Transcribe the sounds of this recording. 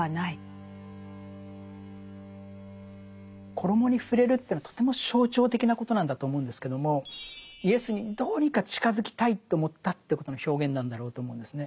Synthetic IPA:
anai | kʰo̞ɾo̞mo̞ɲ̟iɸɯ̟ɾe̞ɾɯ̟t̪ːeɯnat̪o̥t̪e̞mo̞ɕo̞ːt͡ɕo̞ːt̪̬e̞kʲinako̞t̪o̞nãnd̪at̪o̞ːmo̞ɯ̃nd̪e̞sɨ̥ke̞d̪o̞mo̞ie̞sɨɲ̟id̪o̞ːɲ̟ikat͡ɕi̥kazɨkʲi̥t̪ait̪ːe̞omo̞t̪ːat̪ːei̟ko̞t̪o̞no̞çʲo̞ːɡẽ̞nːãnd̪aɾo̞ːt̪o̞ːmo̞ɯ̃nd̪e̞sɨne̞

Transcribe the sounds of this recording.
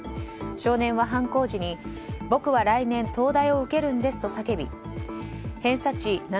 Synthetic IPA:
ɕo̞ːnẽ̞ɰ̃βaɦãŋko̞ːʑiɲ̟i | bo̞kɯ̟βaɾainẽ̞nt̪o̞ːd̪aio̞ɯ̟ke̞ɾɯ̟̃nd̪e̞sɨ̥t̪o̞sake̞bʲḭ | hẽ̞ɰ̃sat͡ɕina

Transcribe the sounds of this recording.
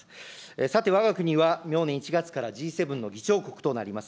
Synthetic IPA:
esat̪e̞β̞aɡakɯ̟ɲ̟iβamʲjo̞ːnẽit͡ɕiɡat͡sɨ̥kaɾaʑiːse̞bɯ̃nːo̞ɡʲit͡ɕo̞ːko̞kɯ̟̥t̪o̞naɾʲimasɨ̥

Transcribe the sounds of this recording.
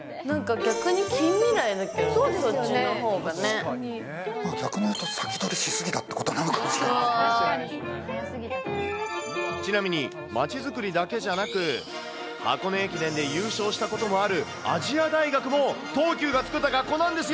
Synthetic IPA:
nãŋkaɡʲakɯ̟ɲ̟ikʲʰĩmːʲiɾaid̪aked̪osonoɦo̞ːɡane | maːɡʲakɯ̟nojɯt̪osḁkʲi̥d̪oɾʲiɕisɨɡʲit̪at̪ːe̞ko̞t̪oananɯkamoɕi | sɨɡʲit̪a | t͡ɕinamʲiɲ̟i | mat͡ɕizɨkɯ̟ɾʲid̪ake̞ʑanakɯ̟ | a̰ko̞noekʲid̪ẽ̞nd̪e̞jɯːɕo̞ːɕi̥t̪ako̞t̪o̞mo̞aɾɯ̟ | a̰ʑiad̪aiɡakɯ̟mo̞t̪o̞ːkʲɨːɡat͡sɨ̥kɯ̟t̪ːaɡakːo̞ːnãnd̪e̞sɨj

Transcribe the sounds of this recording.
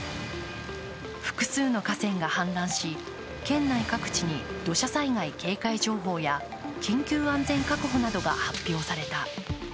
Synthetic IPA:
ɸɯ̟̥kɯ̟̥sɨːno̞kasẽ̞ŋɡahãnd̪ãɰ̃ɕi | kẽ̞nːaikakɯ̟̥t͡ɕiɲ̟id̪̥o̞ɕasaiŋaike̞ːkaiʑo̞ːɦo̞ːja | kʲĩŋkʲɨːãnd͡zẽ̞ŋkakɯ̟ɦo̞nad̪o̞ɡa̰hapʲːjo̞ːsaɾe̞t̪a

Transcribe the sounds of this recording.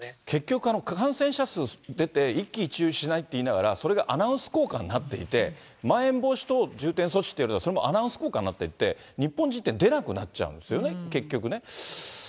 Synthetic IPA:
kʰe̞kʲːo̞kɯ̟ano̞kkãɰ̃sẽ̞ɰ̃ɕasɨd̪e̞t̪e̞ikʲːiːt͡ɕiɨːɕinait̪ːe̞inaɡaɾaso̞ɾe̞ɡaʔanaɯ̃sɨ̥ko̞ːkã̰nɲʲːnat̪ːe̞ḭt̪e̞ | maẽ̞mbo̞ːɕi̥t̪o̞d͡ʑɨːt̪ẽ̞ɰ̃so̞t͡ɕi̥t̪ːejoɾt̪asoɾemo̞ʔanãɯ̃sɨ̥ko̞ːkãnːat̪ːe̞it̪ːe̞̰ | ɲ̟ipːõ̞ɲ̟d͡ʑit̪ːẽ̞nd̪e̞nakɯ̟na̰t͡ɕa̰ɯ̟̰̃d̪esɨjo̞ne̞ke̞kʲːo̞kɯ̟ne̞

